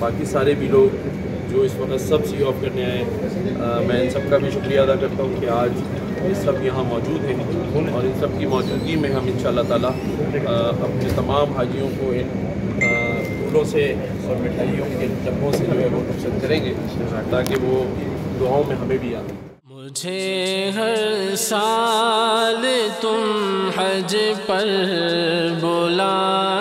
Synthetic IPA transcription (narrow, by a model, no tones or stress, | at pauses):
baːkisaːɾebʱiloːɡ | d͡ʒoːɪsʋɐkət̪sɐbsiɔːfkɐɾneaɦɛ̃ | mɛ̃ːɪnsɐb̚kabʱiʃʊkɾijaːd̪akɐɾt̪aɦũkiaːd͡ʒ | jsɐbjɐɦãmɔːd͡ʒuːd̪ɦɛ̃ | ʊlɔːɾɪ̃nsɐb̚kimɔːd͡ʒuːɡimẽɦɐmɪ̃nʃaːlːat̪aːla | ɐpnet̪ɐmaːmɦaːd͡ʒijõkoɪn | pʰuːlõse | ɔːɾmɪʈʰaːijõkenlɐbʰõsed͡ʒoːɦɛʋot̪ɐsəd̪kɐɾẽːŋɡeːt̪aːkeʋod̪ʊaːõmẽɦɐmẽbʱiaːɡ | mʊd͡ʒʱeɦɐɾsaː | let̪ʊmɦɐd͡ʒepɐɾ | boːla